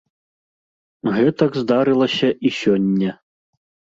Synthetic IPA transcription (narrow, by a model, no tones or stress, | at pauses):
ɣɛt̪ɐɡzd̪aɾɨlˠɐsʲɐʔisʲɔnʲːɛ